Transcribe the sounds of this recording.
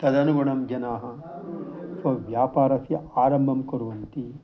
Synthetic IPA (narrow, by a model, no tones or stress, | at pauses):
t̪ɐd̪ɐnuɡɐɳɐmɡɐnaːɦɐ̆ | sɐʋjaːpaːɾɐsjɐaːɾɐmbʱɐmkoɾuʋɐnt̪i